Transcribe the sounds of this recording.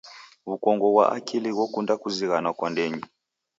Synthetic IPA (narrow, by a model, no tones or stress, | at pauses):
βukɔŋɡɔβwa̰ʔa̰kʰiliɣwɔkundakuziɣanwakwandɛɲi